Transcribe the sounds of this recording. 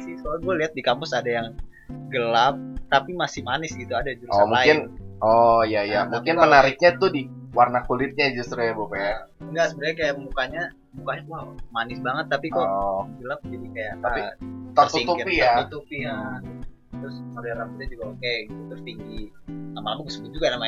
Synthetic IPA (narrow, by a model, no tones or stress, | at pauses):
sɪskalaɡualiɦat̪̚dikampʊsadajaŋ | ɡəlap̚t̪apimasɪhmanɪsɡit̪uadad͡ʒuɾusɔmuaɪnɔjajamuŋkɪnmənaɾɪk̚ɲat̪ʊdiwarnakulɪt̪̚ɲad͡ʒust̪ɾujabukaaŋɡasəbəɾɲakajaʔmukaɲa | mukaɲawamanɪsbaŋət̪ːapikoɡəlap̚d͡ʒadikajaʔt̪aait̪ərt̪uiŋt̪upijaut̪upija | t̪ɾʊsodaɾamput̪̚ɲad͡ʒuɡaokeɡit̪ut̪ərt̪iŋɡilamalamakəsəbut̪̚d͡ʒuɡanama